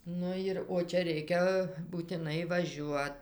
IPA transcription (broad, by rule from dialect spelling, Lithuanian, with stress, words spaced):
ˈnʊ jɪr oː ˈt͡ʃʲɛ ˈrʲɛɪkʲɛ buːtʲɪˈnɐɪ ʋɐˈʒʲuɔt